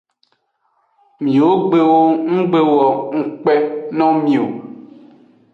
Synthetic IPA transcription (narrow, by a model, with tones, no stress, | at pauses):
mĩ˨wo˦ɡ͡be˦wo˦ŋ̩˦ɡ͡be˦wɔ˨ŋ̩˦k͡pɛ˦nɔ̃˦mĩ˨o˨